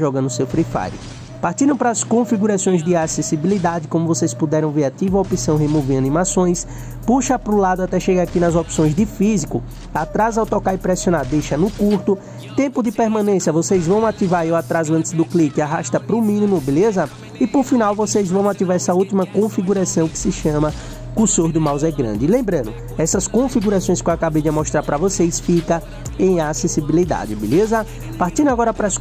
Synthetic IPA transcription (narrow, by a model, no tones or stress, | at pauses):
ʒɔɡɐ̃nd̪ʊsewfɾifa̰ɾʊ̰ | paɾt̪iɾɐ̃w̃pɾɐːskõfiɡuɾasõj̃zd̪ɪasesibilid̪ad͡ʒɪkõmʊvosejspud̪ɛɾɐ̃w̃veɾat̪ivɐopisɐ̃w̃hemovẽɾɐnĩmasõj̃s | puʃɐpɾʊlad̪ʊat̪ɛʃeɡakinɐzɔpsõj̃zd̪ɪfizikʊ | at̪ɾazawt̪ɔkaɾɪpɾɛsionaɾd̪ejʃɐnʊkuɾt̪ʊ | t̪ẽmpʊd̪ɪpeɾmɐ̃nẽsjɐvosejzvɐ̃w̃at̪ivaɾewat̪ɾazʊɐ̃nt̪ɪzd̪ʊklikɪaɦaʃt̪ɐpɾʊmĩnĩmʊbelezɐ | ɪpoɾfĩnawvosejzvɐ̃w̃at̪ivaɾɛsɐuwt̪imɐkõfiɡuɾasɐ̃w̃kɪ̥sɪʃɐ̃mɐ | kusoɾd̪ʊmawzɛɡɾɐ̰̃nd͡ʒɪlẽmbɾɐ̃nʊ | ɛsɐskõfiɡuɾasõj̃skewakabejd͡ʒɪmɔʃt̪ɾaɾpɾɐvosejsfikɐ | ẽj̃asesibilid̪a̰d͡ʒɪbḛlezɐ | paɾt̪ĩd̪ʊaɡɔɾɐpɾas